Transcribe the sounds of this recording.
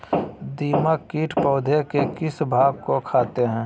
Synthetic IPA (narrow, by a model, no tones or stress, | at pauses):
d̪iːmakiːʈʰpɔʊd̪ʱekekɪsbʱaːɡkokʰaːt̪eɦɛ̃ː